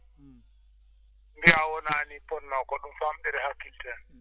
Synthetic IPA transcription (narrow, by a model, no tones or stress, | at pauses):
ŋɡɛawɔnanipʼɔn̩ːɔkʼɔɗum̩fam̩ɛɾɪhakʰiltʰʼɛn